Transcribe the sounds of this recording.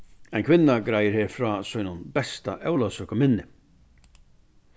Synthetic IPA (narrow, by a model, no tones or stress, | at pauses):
aɪjnkʰʋɪnːaɡɾajɪɾheːɾfɾɔːsɔjnʊnbɛst̪aʔɛwlasœkɔmɪnːɪ